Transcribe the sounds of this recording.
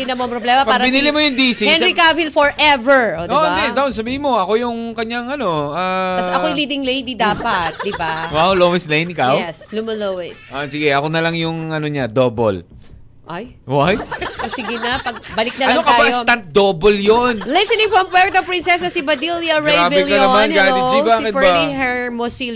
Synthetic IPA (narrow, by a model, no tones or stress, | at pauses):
ɪnɐmoɐŋpɾoblɛːmɐpɐaːɾɐbɪnilimojʊŋd̪iːsihɛnɾikavɪlfɔɹʔɛvɛɹod̪oʔd̪ɛd̪ɐʔnsɐbiːhɪnmo̞ʔɐko̞jʊŋkɐɲaŋʔɐno̞aɐsɐojliːd̪ɪŋlejd̪id̪aːpɐt̪̚d̪ɪbawawlowɛslɐjɪnʔɪkawɛslʊmɐlowɛsʔɐsɪɡɛʔɐko̞nɐlɐŋjʊŋɐnoɲad̪o̞ːbo̰l | ʔoj | wajʔosɪɡɪnɐpɐɡ̚bɐlɪk̚nɐlɐaokɐaaɪst̪ant̪̚d̪oːboljonlɪsɛnɪ̃ŋfɹɐmpɛɹt̪opɹɪnsɛsɐsibɐd̪iljɐɹeaːvbɪlɐnɐmanat̪ɪd͡ʒɪbaːkɪt̪baihɛɹmosi